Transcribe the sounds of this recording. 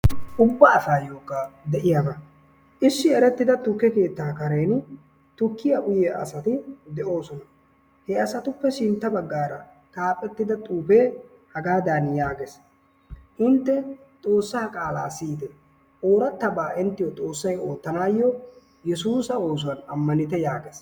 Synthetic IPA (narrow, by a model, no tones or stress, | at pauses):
ʔʊbːaːfaːjo̞ːkːad̪ɛʔɪjabɐ | ʔɪsːɪɛɾɛt̪ːɪd̪ɐt̪ʊkːɛke̞ːt̪ːaːkɐɾejnʊ | t̪ʊkːɪjɐʔʊjɛʔɐ̰sɐt̪ɪd̪ɛʔo̞ːsɔnɐ | hɛɐsɐt̪ʊpːɛʃɪnt̪ːɐbɐɡːaːɾɐ | t̪ʼaːpʼɛt̪ːɪd̪ɐt̪ʼuːpeː | hɐɡaːd̪anjaːɡes | hʊnt̪ːɛ | t̪ʼo̞ːsːaːkʼaːlaːsiːd̪ɛ | ʔoːɾɐt̪ːɐbaːʔɪnt̪ːɪjɔt̪ʼo̞ːsːɐjo̞ːt̪ːɐnaːjːɔ | jɛsuːsɐo̞ːs̬ʊwɐnɐmːɐnɪt̪ɛjaːɡes